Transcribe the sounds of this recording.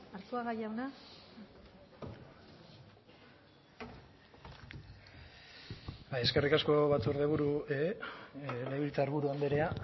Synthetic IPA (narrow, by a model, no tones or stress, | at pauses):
aɾt̪uaɣajawna | baje̞ske̞rikasko̞βat͡suɾðe̞βuɾuee | leβilt͡saɾβuɾuand̪eɾea